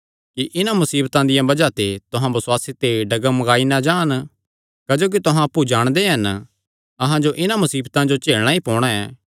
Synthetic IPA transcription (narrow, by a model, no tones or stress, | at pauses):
kiʔɪnãmɐsiːbt̪ãd̪ɪjãbɐd͡ʒat̪et̪ʊɦãbɐsʊwaːsit̪eɖɐɡəmːɐɡaːinad͡ʒaːn | kɐd͡ʒoːk̬it̪ʊɦãɐpːud͡ʒaːɽ̃d̪eɦɐn | ɐɦãd͡ʒoʔɪnãmʊsiːbt̪ãd͡ʒot͡ʃeːɭɽ̃ãipɔ̃ːɽ̃ãɛː